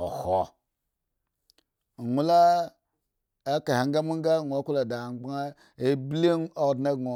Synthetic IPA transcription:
o̰˨ho˦˨ | ŋu˦la˦ | a˦ka˨ha˨ŋɡa˦mu˦ŋ˦ɡa˦˨ŋo˨˦ku˦la˨da˨ɡ͡bŋa˦ | e˨˦bli˦no˨dna˦ɡŋo˨

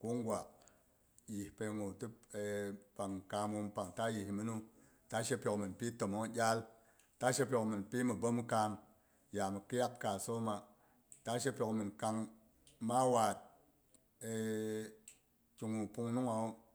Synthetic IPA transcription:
ku˦ŋɡwa˨ | ji˨hpe˧ŋo˨tɨ˦˨ | pa˨ŋka˧mwu˧mpa˨ŋta˦ji˨hmi˦nu˦ | ta˦ʃe˦pʲo˨kmi˨npi˦to˨mo˦ŋ˦ɟʲa˦l | ta˦ʃe˦p̬ʲo˨kmi˨npi˦mi˨bo˦m˦ka˧m | ja˨mi˨ki˦ja˦k̚ka˨so˦ma˨ | ta˦ʃe˦pʲo˨kmɨ˨nka˧ŋ | ma˦wa˨t̚ | e˨ | t͡ʃu˨ŋu˨pu˧ŋnu˦ŋa˨u˦

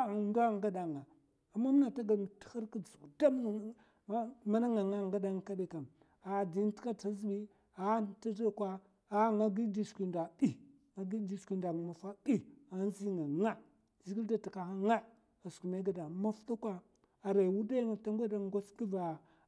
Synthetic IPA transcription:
nda˦˨ŋɡa˦da˨ŋa˨ | a˨mːa˦m˦na˨ta˦ɡa˨lm˨ti̥˦xa˦ɾka˦˨zu˨kda˦m˦˨˦ | ma˦na˦ŋa˨ŋa˦˨ŋɡa˦da˦ŋ˨ka˦bi˨ka˨m | a˨di˨n˦ti̥˦ka˦ta˦zi˦bi˦ | a˨˦ta˦da˨kwa˦ | a˨ŋa˦ɡi˦di˦skʷi˨nda˨i˦ | ŋa˨ɡi˦di˦skʷi˦nda˨ŋ˨ma˨fa˦ɓi˦a˨n˦zi˦ŋa˨ŋa˦ | zi˦ɡi˦lda˨ti˨ka˨ha˦ŋa˦ | a˨sku˨ma˦ɡa˨da˨ma˦fta˦kwa˦ | a˨ɾa˨wu˦da˦ŋa˨ta˦ŋ˦ɡʷa˦da˨˦ɡo˦ski˦va˨

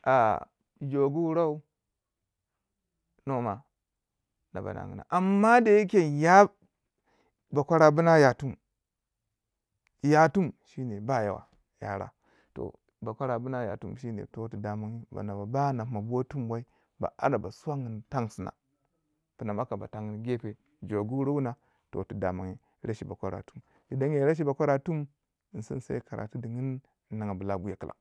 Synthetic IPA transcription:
a̰˨ | d͡ʒo˨ɡu˦wu˦ɾa˦u˦ | no˦ma̰˨ | na̰˨ba̰˨na̰˨ŋɡḭ˨na̰˨ʔa˨mːa˦da˨ji˦kʲe˨ja˦ | ba˨kʷa˦ɾa˦bu˦na˦ja˨tu˦m | ja˦tu˦mʃi˦ne˨ba˦˨ja̰˦wa̰˨ | ja̰˦ɾa̰˦ | to̰˨ | ba˨kʷa˦ɾa˨bu˦na˦ja̰˨tṵ˦mʃi˦nḛ˨to˨tu˨da˨ma˦ŋi˦ba̰˨na˨ba˨ba˦na˨˦ma˨bo˦tu˦mwa˦i˦ | ba̰˨a̰˦da˨ba˨swa˦ŋə˨nta˦ŋsi˨na̰˨ | pi˨na˨ma˦ka˨ba̰˨ta˨ŋi˦nɡe˦pe˨ | d͡ʒo˨ɡu˦ɾo˦wu˦na˨ | to̰˨tu˨da˨ma˨ŋi˦ɾa˦ʃi˨ba˨kʷa˦ɾa̰˨tu˦m | di˨da˦ŋ˦je˨˦ɾa˦ʃ̬i˦ba˨kʷa˦ɾa˨tu˦m˨ | sḭ˦n˦sa˦i˦ka˨ɾʔa̰˨tu˦di˨ŋi˦n˨˦ | nːa˨ŋa˨bə˨la˦bu˦ja˨kə˦lʔa̰˨

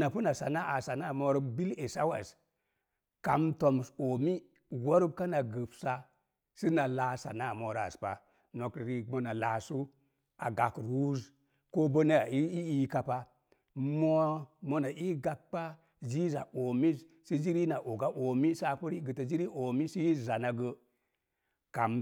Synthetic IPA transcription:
na˨pu˦na˨sa˨na˦ʔa˨sa˨na˦˨mo˨˦ɾbi˦le˨sa˦wa˨s | ka˨mto˨m˨so˨mi˦ | wo˦ɾbka˦na˨ɡɨ˨psa˦ | si˦na˨la˨sa̰˨na˦˨mo˨ɾa̰˨spa̰˨ | no˨kɾi˦mo˨na˨la˨su˦ | a̰˨ɡa˨kɾwu˦z | ko˦bə˦na˦a˨i˦i˦i˦ka˨pa˦ | mo˦mo˦na˨ʔi˦ɡa˨k̚k͡pa˦ | zi˦za˨ʔo˨mi˦z | si˦d͡ʒi˦ɾi˦na˨ʔo˨ɡa˦ʔo˨mi˦sa˨pu˦ɾi˦ɡə˨tə˨zi˦ɾi˦ʔo˨mi˦si˦i˦˨za˨na˨ɡə˧ | ka˨m

